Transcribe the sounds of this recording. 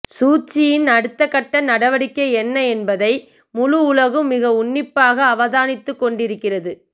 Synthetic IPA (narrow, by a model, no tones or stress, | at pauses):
suːt͡ʃːɪjɪnɐɽɯt̪ːɐkːɐʈːɐnɐɽɐʋɐɽɪkːɐɪɛnːɐɛnbɐðɐɪ | mʊlʊʊlɐɣɯmːɪɣɐʊɳːɪpːaːɣɐːʋɐðaːnɪt̪ːɯkːɔɳɖɪɾɯkːɪrɐðɯ